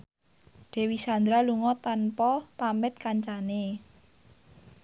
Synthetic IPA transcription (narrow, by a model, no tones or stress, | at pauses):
ɖ̪̥e̤wisand̪ɾaluŋɔt̪anpɔpamɪt̪̚kaɲt͡ʃane